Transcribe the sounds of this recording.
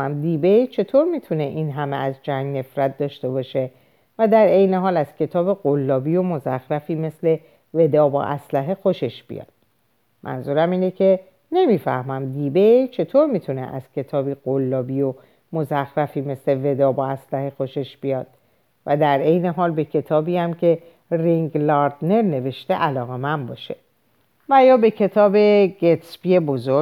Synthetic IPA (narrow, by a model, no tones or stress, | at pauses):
æmd̪iːbejt͡ʃʰe̞t̪ʰoːɾmiːt̪ʰune̞ʔiːnɦæmeæzd͡ʒæŋɡne̞fɾæt̪̚ʰd̪ɒːʃt̪e̞bɒːʃe̞ | væd̪æɾe̞jne̞ɦɒːlæz̥cʰʲe̞t̪ʰɒːbeɣolːɒːbiːjo̞mo̞zæxɾæfiːme̞sle̞ | ve̞d̪ɒːbɒ̰ːʔæslæɦe̞xo̞ʃe̞ʃb̥ḭjɒ̰ːd̪̥ | mʔæ̰nzuːɾæmiːnecʰe̞ | ne̞miːfæ̰hmæmd̪iːbejt͡ʃʰe̞t̪ʰoɾmit̪ʰunḛʔæ̰z̥cʰe̞t̪ʰɒːbiːɣ̥olːɒːbiːjo | mozæxɾæfiːme̞sle̞ve̞d̪ɒːbɒæslæhexoʃe̞ʃbijɒːd̪̥̚ | væd̪æɾʔe̞jne̞ɦɒːlbe̞cʰe̞t̪ʰɒːbiːæmcʰe̞ | riŋɡlɒɾd̪̥ne̞ɾne̞ve̞ʃt̪eʔælɒːɣe̞mænd̪bɒːʃe̞̥ | væjɒːbe̞cʰe̞t̪ʰɒːbe̞ɟet̪spiebo̞zoɾ